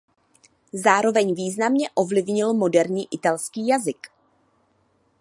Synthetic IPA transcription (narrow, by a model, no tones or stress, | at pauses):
zaːɾo̞vɛɲviːznamɲɛʔo̞vlɪvɲɪlmo̞dɛɾɲiːʔɪt̪alskiːjazɪk